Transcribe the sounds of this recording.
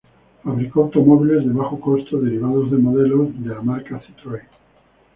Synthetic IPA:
faβɾikoawt̪o̞moβile̞zðeβaxoko̞st̪oðeɾiβ̞að̞ozðemoðe̞lozðelamaɾkaθit̪ɾoj

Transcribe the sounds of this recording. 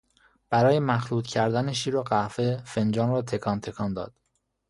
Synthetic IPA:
b̥æɾɒːjemæxɾuːd̪cʰæɾd̪æneʃ̬iːɾoɢæfefe̞nd͡ʒɒːnɾɒːt̪ʰe̞kʰɒːnt̪ʰe̞kʰɒːnd̪ɒ̰ːd̪̥

